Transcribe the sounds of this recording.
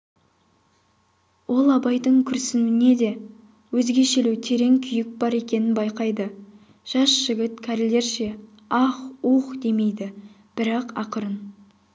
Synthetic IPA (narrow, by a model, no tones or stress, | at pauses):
wʔo̞lˠɑbɑjd̪əɴkʲʰʏɾsɪnuɪne̞d̪e̞ | wɵzɡʲe̞ʃeluwt̪ʰe̞ɾe̞ŋkʲʰʏjɪk̚bɑɾe̞kʲe̞nɪnbɑjqɑjd̪ə | ʒ̥ɑʃʒ̥ɪɡʲɪt̪kʲʰæɾle̞ɾʃe̞ | ɑχuqd̪e̞me̞jd̪ɪ | b̥ɪɾɑqɑ̰qəɾən